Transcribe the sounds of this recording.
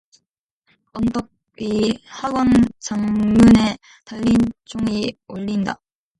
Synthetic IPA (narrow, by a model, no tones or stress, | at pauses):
ʌnt͈ok̚ | ihaɡʌnt͡ɕaŋmune̞ | taʎːit͡ɕ͈oŋioʎːinda̰